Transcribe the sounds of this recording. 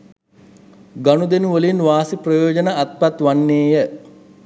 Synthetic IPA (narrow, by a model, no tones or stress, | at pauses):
ɡanud̪enuʋəlinʋaːsiprɐjoːd͡ʒənaːt̪̚pat̪ʋanːeːjə